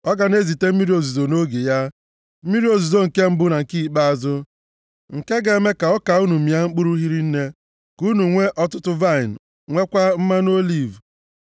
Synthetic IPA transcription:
ɔ˦ɡa˨ne˦zi˨te˦m̩˦mi˦ɾi˦o˨zu˨zo˨no˦ɡe˨ja˦ | m̩˦mi˦ɾi˦o˨zu˨zo˦ŋ̩˨ke˦m̩˦bʊ˦na˨ŋ̩˨ki˦˨k͡pa˦a˨zʊ˦ | ŋ̩˨ke˦ɡe˨me˦ka˨ɔ˦ka˨u˦nu˨mi˨a˦ŋ͡m̩˦k͡pu˦ɾu˦ɦi˦ɾi˦n̩˦ne˦ | ku˦nu˨ŋʷe˦ʔɔ˦tʊ˦tʊ˦va˦˨ɪ˨n˨ | ŋʷe˦kʷa˦m̩˦ma˦n˦o˦li˦˨v

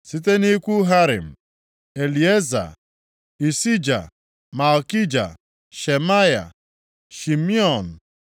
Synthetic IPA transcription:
si˦t̬e˦ni˦kʷu˦ɦa˦ɾɪ̰˨m̩˨ | e˨li˨e˦za̰˨ | i˨si˦d͡ʒa̰˨ | ma˨lki˦d͡ʒa̰˨ | ʃe˨ma˦ja̰˨ | ʃi˨mi˦ɔ˨n̩˨

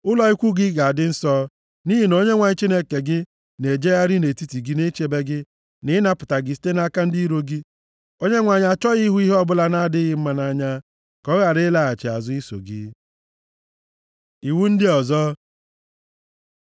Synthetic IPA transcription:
ʊ˦lɔ˦i˦kʷu˦ɡɪ˦ɡa˨a˨dɪ˦n̩˦sɔ˦ | ni˦ɦi˨no˦ɲe˦ŋʷa˨ɲ˦t͡ʃi˦ne˦ke˨ɡɪ˦ | ne˨d͡ʒe˦ja˦ɾi˦ne˨ti˦ti˨ɡi˦ne˦t͡ʃe˦be˦ɡɪ˦ | nɪ˦ɪ˦na˦pʊ˨ta˨ɡɪ˨˦si̥˦te˦na˦ka˦n̩˦di˦ɾo˦ɡi˦ | o˦ɲe˦ŋʷa˨ɲ˨a˨t͡ʃɔ˦ɣi˦ɦu˦i˦ɦɔ˦bʊ˦la˦na˦dɪ˦ɣɪ˦m̩˦ma˨na˦ɲa˦ | kɔ˦ɣa˨ɾɪ˦la˨a˨t͡ʃɪ˨a̰˨zʊ˦i˦so̰˨ɡɪ̰˦ | i˨wu˦n̩˦dɪ˦ɔ˨zɔ˦

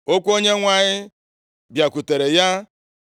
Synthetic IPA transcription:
o˦kʷo˦ɲe˦ŋʷa˨ɲɪ˦ | bja˨kʷu˨te˨ɾe˨ja˦

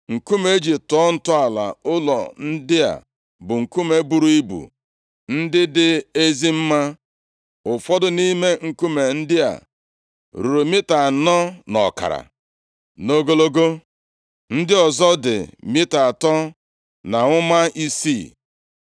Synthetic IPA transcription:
ŋ̩˨ku˦me˦d͡ʒi˨tɔ˦n̩˨tʊ˦a˨la̰˨ʊ˦lɔ˨n̩˦dɪ˦a̰˨ | bʊ˨ŋ̩˨ku˦me˨bu˦ɾu˦i˦bṵ˨ | n̩˦dɪ˦dɪ˦e˦zi˦m̩˦ma˦ | ʊ˨fɔ˦dʊ˦ni˦me˦ŋ̩˨ku˦me˨n̩˦dɪ˦a̰˨ | ɾu˨ɾu˨mi˦ta˨nɔ˦nɔ̰˨ka̰˨ɾa̰˨ | no˦ɡo˦lo˦ɡo˦ | n̩˦dɪ˦ɔ˨zɔ˦dɪ̰˨mɪ˦ta˨a˨tɔ˦ | na˨ŋʷʊ˦ma˦ʔi˦si˦˨

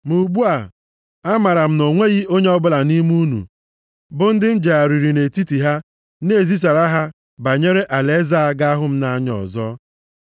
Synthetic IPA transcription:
mu˨ɡ͡bu˦a˨ | a˦ma˨ɾa˨m̩˦no˨ŋʷe˦ɣi˦o˦ɲe˦ɔ˦bʊ˦la˨ni˦m˦u˦nṵ˨ | bʊ˦n̩˦dɪ˦m̩˦d͡ʒa˨a˨ɾi˨ɾi˨ne˨ti˦ti˨ɦa˦ | ne˦˨zi˦s̬a˨ɾa˦ɦa˦ | ba˨ɲe˦ɾe˦ʔa˨le˦za˦a˦ɡa˦a˦ɦʊ˦m̩˦na˦ɲɔ̰˨zɔ˦

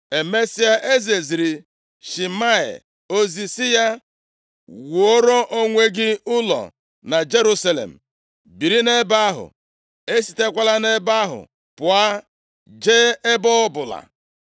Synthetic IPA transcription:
e˨me˦si˦a˦ʔe˦ze˨zi˨ɾi˨ | ʃi˨ma˦ḛ˨ | o˦zi˨sɪ˦ja˦ | wo˦ɾo˦ʔo˦ŋʷe˦ɡɪ˦ʊ˦lɔ̰˨ | na˨d͡ʒe˦ɾu˦sa˦lḛ˨m̩˨ | bi˨ɾi˦ne˦ba˦ɦʊ̰˨ | e˦si̥˨te˦kʷa˦la˦ne˦ba˦ɦʊ̰˨ | pʊ˨a˦ | d͡ʒe˦e˦bɔ˦ʊ˦bʊ˨la̰˨

